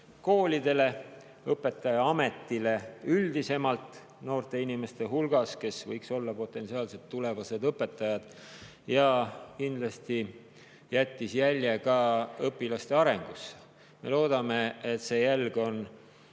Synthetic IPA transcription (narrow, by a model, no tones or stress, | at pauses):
ko̞ːlʲid̪̥e̞le̞ | ɤpːˑe̞t̪ːˑɑjɑɑme̞t̪ːile̞yld̪ise̞mɑlt̪ˑ | no̞ːrt̪e̞inime̞st̪e̞ɦulɡ̥ɑske̞svɤjkso̞lːɑpo̞t̪ːˑe̞nsiɑːlse̞t̪ːule̞vɑse̞d̪ɤpːˑe̞t̪ːˑɑjɑd̪̥ | jɑkind̪̥lɑst̪i | jæt̪ʲːisjælʲjekɑɤpːilɑst̪e̞ɑɾe̞ŋɡ̥us | me̞̰lo̞ːd̪̥ɑme̞et̪se̞jælɡ̥o̞n